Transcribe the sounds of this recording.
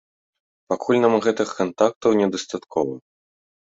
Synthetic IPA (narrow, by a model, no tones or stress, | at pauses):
pakʰulʲnamɣɛt̪ɨxkant̪ak̚t̪ɐwnʲɛd̪ɐst̪at̪kʰɔvɐ̰